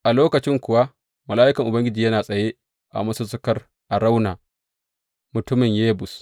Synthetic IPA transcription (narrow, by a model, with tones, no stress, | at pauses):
ʔa˨loː˦kɐ˨t͡ʃɪ˦ŋkʷʊ˨wa˦ | mɐ˨laː˦ʔɪ˦kɐ˨ŋʔʊ˨bɐ˦ŋɡʲɪ˦d͡ʒiː˨jɐ˦naː˨sʼɐ˨je˦ | ʔa̰˨mɐ˦su˦sʊ˦kɐ˦r | ʔa˨ɽa˦wnaː˨ | mʊ˨tʊ˦mɪ˨ɲjeː˦bʊ˨s